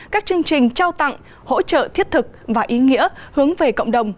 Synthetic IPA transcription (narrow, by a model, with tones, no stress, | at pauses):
kaː˦˥k̚t͡ɕɨ˧əŋt͡ɕï˨˩ŋ̟t͡ɕaː˧wt̪a̰˧˨ŋ | ho̰˧˥t͡ɕə̰ː˧˨t̪ʰi˦˥ət̚t̪ʰɨ˨˩k̚vaː˨˩ʔi˨˦ŋḭ˧˥əhɨ˨˦əŋve˨˩kə̰˧˨wŋ͡mɗə˨˩wŋ͡m